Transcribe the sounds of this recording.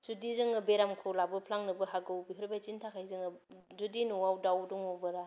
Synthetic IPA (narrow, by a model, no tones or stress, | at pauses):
sudizɯŋɯbeɾamkʰolabɯpʰlaŋnɯbɯɦaɡɯwbiɦuɾbajt͡ʃintʰakʰajzɯŋɯzudinuwawdawdɔŋɔwbɯɾa